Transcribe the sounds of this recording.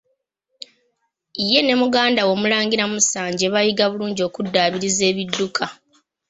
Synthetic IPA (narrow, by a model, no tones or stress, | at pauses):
ije̞ne̞muɡaːndawo̞mulaːŋɡiɾamusaːɲɟeβajiɡaβuluːɲɟio̞ːkudːaːβiɾize̞ːβidːukʰa